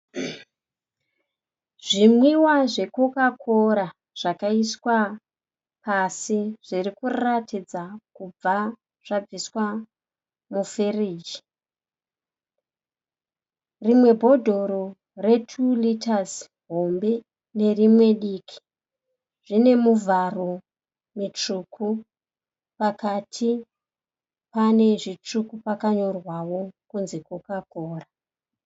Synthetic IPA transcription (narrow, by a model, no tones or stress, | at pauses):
ʐ̥imwiwaʐe̞kokakʰoɾa | ʐ̥akaiswa | pasiʐ̥irikurratid͡zakub͡va | ʐ̥ab͡viswa | mufiriːd͡ʒi̥ | rimwe̞bʱo̞dʱo̞ɾo | re̞tʰulitaz | ɦo̞mbe̞ | ne̞rimwe̞ɗiːkʰi̥ | ʐ̥ine̞muvʱaro̞ | mit͡ʂukʰu | pakatʰi | pane̞ʐit͡ʂukupakaɲo̞rwawo̞kunze̞kwokakoːra